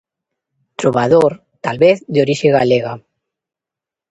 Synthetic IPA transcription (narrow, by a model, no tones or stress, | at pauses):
t̪ɾoβaðoɾ | t̪alβeθd̪oɾiʃeɣaleɣa